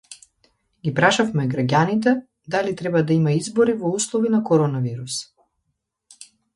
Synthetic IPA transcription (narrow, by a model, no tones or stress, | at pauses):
ɡʲipɾaʃafmɛɡɾaɟʲanit̪̬ɛ | d̪alit̪ɾɛbad̪aimaizbɔɾivɔuslˠɔvinakɔɾɔnaviɾus